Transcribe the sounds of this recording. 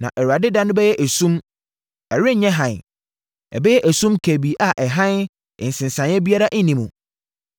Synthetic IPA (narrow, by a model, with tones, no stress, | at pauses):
nã̰˨ʔɛ˨ɾa˨dɪ˦dã˦nʊ̃˦bɛ˦jɛ˦ʔæ˨sũ˦m | ɛ˨ɾɪ˦ɲɛ̃˦ɦã˨n˨ | ɛ̰˨bɛ˦jɛ˦ʔæ˨sũ˦mkʰæ˨bi˨ʔa˨ʔɛ˨ɦã˦n | ɪ̰̃˨n˨sɪ̃˨nsã˨njɛ˦bi˦a˦ɾa˦ʔi˦nĩ˨mũ˨